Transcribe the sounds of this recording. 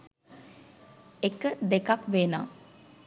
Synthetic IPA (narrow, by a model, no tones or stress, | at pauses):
ekəd̪ekakʋena̰ː